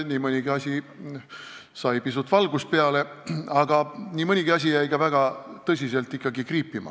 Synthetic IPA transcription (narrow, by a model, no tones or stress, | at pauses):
nʲiːmɤnʲiɡ̥iɑsʲi | sɑjpisut̪ːvɑlɡ̥uspeɑle̞ɑɡ̥ɑnʲiːmɤnʲiɡ̥iɑs̬ʲijæjkɑvæɡ̥ɑt̪ɤs̬ʲise̞lt̪ːˑikːˑɑɡikriːpːˑimɑ̰